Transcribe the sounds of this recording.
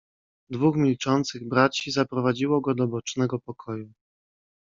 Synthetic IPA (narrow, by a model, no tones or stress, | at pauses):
d̪vuxmʲilt͡ʂɔnt̪sɘɣbɾat͡ɕizapɾɔvad͡ʑiwɔɡɔd̪ɔbɔt͡ʂnɛɡɔpɔkʰɔju